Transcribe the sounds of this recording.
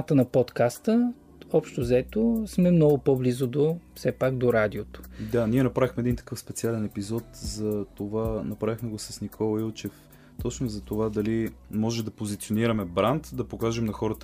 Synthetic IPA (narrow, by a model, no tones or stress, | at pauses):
at̪ənɐpɔt̪kast̪ə | ɔpʃt̪ozɛt̪osmɛmnɔɡʊpɔblizʊd̪ofsɛpaɡd̪oɾad̪iot̪ʊ̥d̪aniɛnɐpɾavixmɛd̪int̪ɐ̥kɤfspɛt̪sialɛnɛpizɔt̪zɐt̪ovanɐpɾavixmɛɡosɐsnikʰɔlˠɐilˠt͡ʃɛf | t̪ɔt͡ʃnozɐt̪ovad̪ɐlimɔʒɛmd̪ɐpozit̪sioniɾɐmɛbɾant̪d̪ɐpokaʒɛmnɐxɔɾət̪ə